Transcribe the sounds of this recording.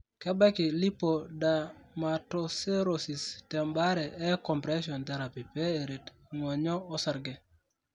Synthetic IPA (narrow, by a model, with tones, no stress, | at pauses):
kɛ˦bɛ˦kɪ˨li˦po˨da˨ma˨to˨se˦ɾo˨si˨stɛ˨mba˦ɾɛ˨ɛ˦kɔ˨mpɾɛ˦ʃɔ˨nt̪ɛ˨ɾa˨pi˨pɛ˦e˨ɾe˨t | ŋɔ˨ɲɔ˦ɔ˦sa˨ɾɡɛ˨